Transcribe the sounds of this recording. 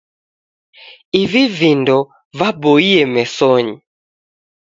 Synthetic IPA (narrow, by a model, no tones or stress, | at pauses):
ivivindɔ | vabɔiɛmɛsɔɲi